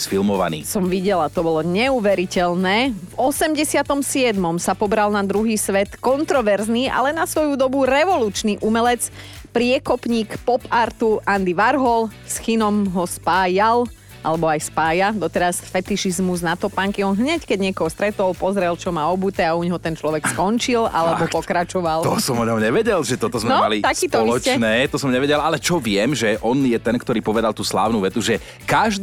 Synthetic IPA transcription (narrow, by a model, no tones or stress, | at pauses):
sfilmɔʋa̰nḭːsɔmʋiɟɛlat̪ɔbɔlɔɲɛuːʋɛɾicɛlnɛːvɔsɛmɟɛsɪat̪ɔmsɪɛd̪mɔmsapɔbɾalnad̪ɾuɦiːsʋɛt̪kɔnt̪ɾɔʋɛɾzniːʔa̰lɛnasʋɔjud̪ɔbuɾɛʋɔluːt͡ʃniʔumɛlɛt͡s | pɾɪɛkɔpɲiːkpɔpaɾt̪uʔand̪iʋaɾɦɔl | sxinɔmɦɔspaːjal | ʔa̰lɛbɔajspaːjad̪ɔt̪ɛɾasfɛt̪iʃizmuznat̪ɔpaŋkiɔnɦɲɛckɛɟɲɪɛkɔɦɔst̪ɾɛt̪ɔlpɔzɾɛlt͡ʃɔmaɔbut̪ɛauɲɦɔt̪ɛnt͡ʃlɔʋɛkskɔnt͡ʃilʔa̰lɛbɔpɔkɾat͡ʃɔʋalɔsɔmɔɲɔmɲɛʋɛɟɛlʒɛt̪ɔt̪ɔzmɛnmɔalit̪askiːt̪ɔɔilɔt͡ʃɛnɛːt̪ɔsɔmɲɛʋɛɟɛlalɛt͡ʃɔʋɪɛmʒɛʔɔnjɛt̪ɛnkt̪ɔɾiːpɔʋɛd̪alˠt̪uːsla̰ːʊnuʋɛt̪uʒɛ | kaʒ